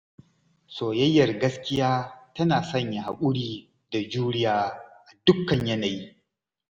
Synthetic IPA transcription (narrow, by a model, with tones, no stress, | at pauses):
soː˨jɐ˦jːɐ˨rɡɐ˦skʲɪ˦jaː˦tɐ˦naː˨sɐ˦ɲja˨ha˨kʷʼʊ˦ɽiː˦ | da˨d͡ʒuː˦ɽɪ˦jaː˦ʔa˨dʊ˦kːɐ˨ɲjɐ˦na˨ji˦